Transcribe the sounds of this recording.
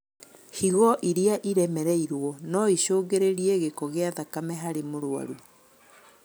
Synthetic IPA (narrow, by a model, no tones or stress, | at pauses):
hiɣɔʔiɾiaʔiɾɛmɛɾɛiɾwɔnɔiɕoːɡeɾeɾiɛɣekɔɣeaðakamɛɦaɾemoɾwa̰ɾu